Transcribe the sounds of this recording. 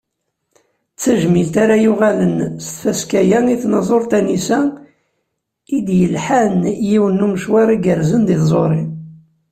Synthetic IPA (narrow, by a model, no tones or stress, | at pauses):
t͡sːæʒmilt̪aɾajʊʁalənst̪fæskæjæniθnɑzˤoɾˤt̪ænisæ | id̪jəlħanjiwənːuməʃwæɾˤiɡəɾzənd̪iθzˤoɾˤi